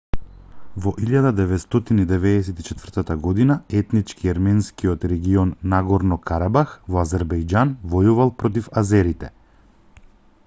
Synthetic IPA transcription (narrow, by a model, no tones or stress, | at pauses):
vɔʔiʎad̪ad̪ɛvɛt̪st̪ɔt̪inid̪ɛvɛːsɛt̪it͡ʃɛt̪vərt̪at̪aɡɔd̪inaɛt̪nit͡ʃkiaɾmɛnskiɔt̪ɾɛɡiɔnːaɡɔɾnɔkʰaɾabaxvɔazɛɾbɛjd͡ʒanvɔjuvalˠpɾɔt̪̬ifazɛɾit̪ɛ̰